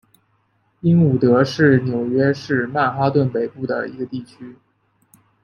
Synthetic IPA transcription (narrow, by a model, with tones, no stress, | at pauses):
i˥ŋu˨˩t̪ɤ˧˥ʂɻ̩˥˩njo˨˩ʊɥɛ˥ʂɻ̩˥˧ma˥˩nxa˥t̪wə˥˩npe˨˩ɪpu˥˩d̪ə̰˩ḭ˧˥ɡə˧t̪i˥˩t͡ɕʰy˥